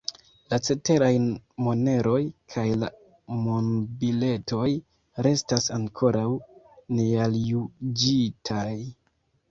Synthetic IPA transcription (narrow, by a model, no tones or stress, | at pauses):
lat͡se̞te̞ɾajmo̞ne̞ɾo̞jkʰajla | monbile̞to̞j | ɾe̞stasaŋkʰo̞ɾaw | nealjud͡ʒitʰaj